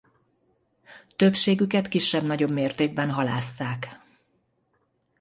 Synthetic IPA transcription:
t̪øpʃeːɡykɛt̪kiʃːɛbn̪ɒɟo̞bmeːrt̪eːɡ̚bɛnɦɒlaːsːaːk

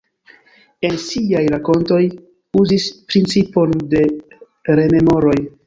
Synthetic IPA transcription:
e̞nsiajɾako̞nto̞j | uzispɾint͡sipo̞nde̞ | ɾe̞me̞mo̞ɾo̞j

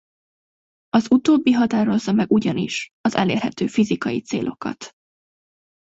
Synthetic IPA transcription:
ɒzut̪oːbːiɦɒt̪aːɾo̞zːɒmɛɡuɟɒnḭʃɒzɛlḛːrhɛt̪øːfizikɒjit̪seːlʔo̞̰kɒ̰t̪

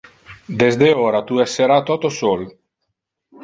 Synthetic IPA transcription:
d̪ezd̪eoːɾat̪uɛsːeɾat̪ɔt̪osol

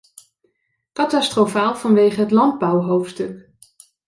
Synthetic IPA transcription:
kɑtɑstrofaːlˠv̥ɑnʋejχəɦətlɑnd̚bʌwɦowftstɵk

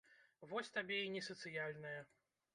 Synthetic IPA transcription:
vɔsʲt̪abʲɛinʲɛsɐt̪sɨjalʲnɐjɐ

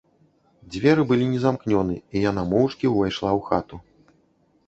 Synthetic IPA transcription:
d͡zʲvʲɛɾɨbɨlʲinʲɛzamknʲɔnɨijan̪amɔwt͡ʂkʲiwvajʂlˠawxat̪u

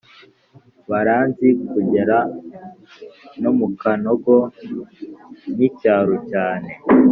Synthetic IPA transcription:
βaɾaːnzikuɟeɾa | nomukanoɡo | nicaːɾucaːne̞

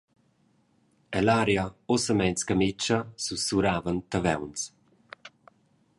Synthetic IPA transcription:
ɛlaɾjaɔsəmɛjnskamɪt͡ʃasusuɾaːvənt̪avɛ̰wns

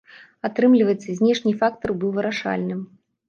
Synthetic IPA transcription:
at̪ɾɨmlʲivɐjɛt̪sːɐzʲnʲɛʂnʲifak̚t̪ɐrbɨwvɨɾaʂa̰lʲnɨm

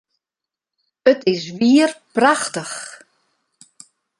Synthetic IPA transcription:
ətɪsʋiərpraxtəx

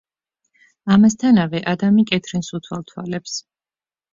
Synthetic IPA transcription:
amast̪ʰanavɛʔad̪amikʼɛt̪ʰɾɛnsut̪ʰwalˠt̪ʰwalɛps

